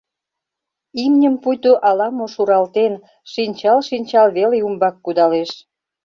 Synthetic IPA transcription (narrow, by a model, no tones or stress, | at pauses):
imnʲəmpujt̪oʔɑlɑmoʃuɾɑlt̪en | ʃinʲt͡ɕɑlʃinʲt͡ɕɑlβeleumbɑkːud̪ɑleʃ